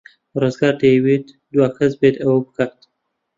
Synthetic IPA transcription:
ɾozɡɑɾt̪ewet̪ | d̪wɑkʰazbet̪awpəkaxt̪

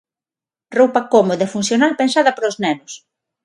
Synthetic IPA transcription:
rowpɐkomoðaefunθjonalpensaðɐpoɾoznɛnʊs

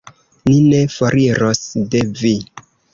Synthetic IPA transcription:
nine̞foɾʔiɾosde̞vi

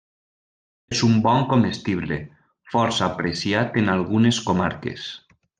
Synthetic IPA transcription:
ezumbɔŋkomest̪iβle | fɔɾsaːpɾesiat̪enalˠɣuneskomaɾkḛs

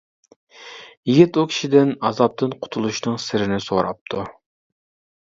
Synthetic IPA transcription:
jiɡʲit̪ukʲʰi̥ʃid̪ɪnɑzɑp̚t̪ʰɨnqʰʊ̥t̪ʰulˠuʃnɨŋsɪɾɪnɪsoɾɑ̰p̚t̪ʰu

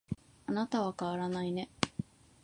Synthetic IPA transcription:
anat̪aβakaβaɾanaine̞

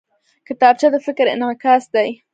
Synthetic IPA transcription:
kət̪aːb̚t͡ʃad̪afɪkɪɾḛnakasd̪aj

